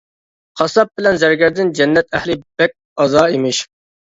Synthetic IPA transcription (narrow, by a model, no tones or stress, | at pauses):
qʰɑsɑp̚bɪlɛnzɛɾɡʲæɾd̪ɪnd͡ʒɛnːɛt̪ʰɛhlɪb̥ɛk̚ʲ | ɑzɑːimɪʃ